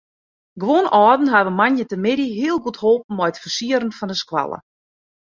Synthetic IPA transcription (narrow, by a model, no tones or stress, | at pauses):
ɡʋonɔːdn̩ɦaʋəmanjətəmɪdiɦiəlˠɡuthoːp̚n̩mɔjtfərsiəɾənfɔndəskwa̰lˠə̰